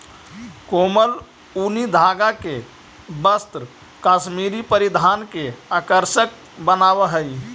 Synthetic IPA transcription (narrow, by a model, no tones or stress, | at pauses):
koːməl | unid̪ʱaɡake | bəst̪ɾə | kaːsmiɾipəɾid̪ʱaːnkeakəɾʃək̚ | bənawəɦəi